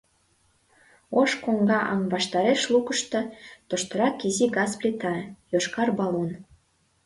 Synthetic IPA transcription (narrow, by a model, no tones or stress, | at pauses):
oʃkoŋɡɑʔɑ̰ŋβɑʃt̪ɑɾeʃlukəʃt̪ɤ̆t̪ŏʃt̪ə̆ɾɑkiziɡɑsplʲet̪ɑjoʃkɑrbɑlon